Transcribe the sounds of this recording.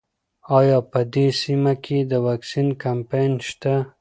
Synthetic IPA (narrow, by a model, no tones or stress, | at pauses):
ɑjɑpəd̪esimakʰed̪əwaksinkampajnʃt̪a